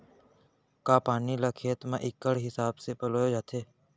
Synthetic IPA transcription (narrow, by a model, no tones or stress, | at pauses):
kaːpaːniːlaːkʰeːt̪mãːʔɪkːəɽ̤ɦɪsaːbseːpəloːjoːd͡ʒaːt̪ʰeː